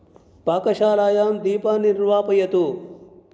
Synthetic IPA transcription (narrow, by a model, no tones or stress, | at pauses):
paːkɐʃaːlaːjaːmd̪iːpaːniɾʋaːpɐjɐt̪u